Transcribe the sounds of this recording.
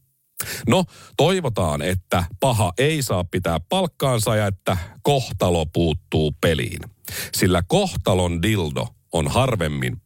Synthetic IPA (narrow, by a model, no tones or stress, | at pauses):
no̞t̪o̞jʋo̞t̪ɑ̰ːne̞t̪ːæpɑɦɑʔe̞isɑːppit̪æːppɑlkːɑːnsɑjɑe̞t̪ːæko̞ht̪ɑlo̞puːt̪ːuːpe̞lḭːnsilːæko̞ht̪ɑlo̞ndildo̞̰ | onhɑrʋe̞mːḭn